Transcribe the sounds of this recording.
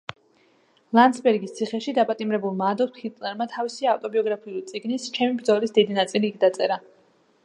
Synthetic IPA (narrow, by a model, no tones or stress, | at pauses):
lˠansbɛɾɡist̪sʰiχɛʃid̪apʼat̪ʼimɾɛbulˠmaːd̪ɔχit̪ʼlɛɾmat̪ʰavisiaft̪ʼɔbiɔɡɾapʰiulit̪sʼiɡnist͡ʃʰɛmibɾd̪zɔlisd̪id̪inat̪sʼiliːkʰd̪at̪sʼɛɾa